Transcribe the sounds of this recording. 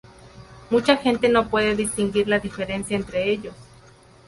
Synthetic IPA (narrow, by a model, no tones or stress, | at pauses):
mut͡ʃaxent̪enopweðeðist̪iŋɡiɾlaðifeɾensjaent̪ɾeeʎos